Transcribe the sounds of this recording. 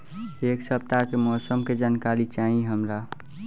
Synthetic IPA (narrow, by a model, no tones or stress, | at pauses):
eːksəp̚t̪akemɔːsəmked͡ʒankalit͡ʃaːɦĩɦəmɾa